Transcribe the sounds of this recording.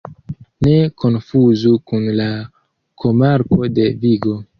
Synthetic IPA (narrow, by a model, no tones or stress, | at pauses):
ne̞kʰo̞nfuzukunla | kʰo̞maɾko̞de̞viɡo̞